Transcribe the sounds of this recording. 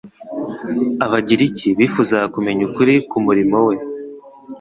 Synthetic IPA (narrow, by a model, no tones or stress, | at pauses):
aβaɟiɾiciβiːfuzaakume̞ɲukuɾikumuɾimo̞we̞